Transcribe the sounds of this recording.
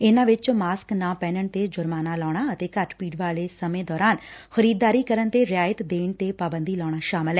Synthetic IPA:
ɪnãːʋɪt͡ʃmaːsknãːpɛ̃ːnəɳt̪eːd͡ʒʊɾmaːnaːlɔːɽ̃aːət̪eːkəʈpiːɖʋaːleːsəmẽːd̪ɔːɾaːnxəɾiːd̪ːaːɾiːkəɾənt̪eːɾɪjaːjət̪d̪eːnt̪eːpaːbənd̪iːlɔːɳ̃aːʃaːmɪlɦɛː

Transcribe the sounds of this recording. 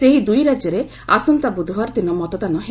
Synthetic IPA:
eɦid̪ujɾad͡ʒeɾe | asɔnt̪abud̪ʱwaɾt̪inɔmɔt̪ɔt̪anɔɦe

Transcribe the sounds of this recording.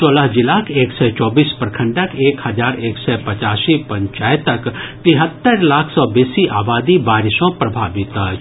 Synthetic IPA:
t͡ʃoːləɦd͡ʒɪlaːkʰeːksɛt͡ʃɔːbiːspɾəkʰə̃ɳɖəkʰeːkhɐd͡ʒaːɾeːksɛpɐt͡ʃaːsipɐ̃ɲt͡ʃaːjt̪əkt̪ɪɦət̪ːəɾlaːkʰsɔːbeːsiʔaːbaːd̪ibaːɾɪsõpɾɐbʱaːʋɪt̪ː

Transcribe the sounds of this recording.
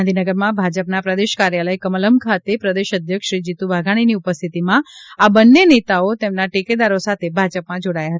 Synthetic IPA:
nd̪ʱinəɡəɾmãbʱad͡ʒəpnapɾəd̪eʃkaɾjaləjkəmələmkʰat̪epɾəd̪eʃəd̪ʱjəkʃɾid͡ʒit̪uʋaɡʱaɽ̃iniupəst̪ʰit̪imãabənːenet̪aot̪emnaʈeked̪aɾosat̪ʰebʱad͡ʒəpmãd͡ʒoɽajaɦət̪a

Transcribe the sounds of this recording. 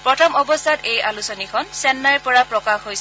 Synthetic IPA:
pɹɔtʰɔmɔbɔsʰatejalusɔnikʰɔnsɛnːajpɔɹapɹɔkaxɦojs

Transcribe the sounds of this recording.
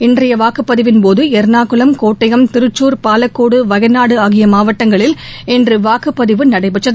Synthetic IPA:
ɪndrɐjɐʋaːkɯpːɐðɪʋɪnpoːðɯɛɾnaːkɯlɐmkoːʈːɐɣɐmt̪ɪɾɯt͡ʃːuːɾpaːlɐkːoːɽɯʋɐɣɐɪnaːɽɯaːɣɪjɐmaːʋɐʈːɐŋɡɐɭɪlɛndrɯʋaːkɯpːɐðɪʋɯnɐɽɐɪpɛʈːɐð

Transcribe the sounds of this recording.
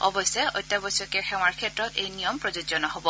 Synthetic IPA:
ɔbɔsɛɔ̰jtːabɔsɔkɛxɛw̃aɹkʰɛtːɹɔtejnijɔmpɹɔzozɔnɔɦɔbɔ

